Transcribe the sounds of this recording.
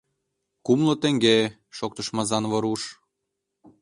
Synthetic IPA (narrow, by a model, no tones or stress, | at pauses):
kumlŏt̪ĕŋɡe | ʃok̚t̪ə̆ʃmɑzɑnβɤ̆ɾuʃ